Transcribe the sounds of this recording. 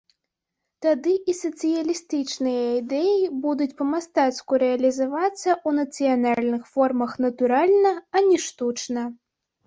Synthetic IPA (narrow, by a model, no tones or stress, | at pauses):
t̪ad̪ɨʔisɐt̪sɨjɐlʲist̪ɨt͡ʂnɨjɐid̪ɛjibud̪ut͡sʲpɐmast̪at̪skuɾɛɐlʲizavat̪sːɐʔunɐt̪sɨjanalʲnɨxfɔrmɐxnɐt̪uɾalʲnɐɐnʲɛʂt̪ut͡ʂnɐ